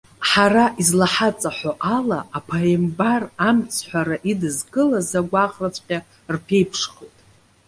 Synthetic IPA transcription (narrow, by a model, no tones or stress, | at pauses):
ħaraʔizlaħat͡sʼaħʷoʔalaːpʰaembaramt͡sʰħʷᶣaɾaʔidɨzɡʼɨlazaɡʷaχrat͡ɕʷʰʼqʲʼa | rpʰe̞jpʰʂχojtʼ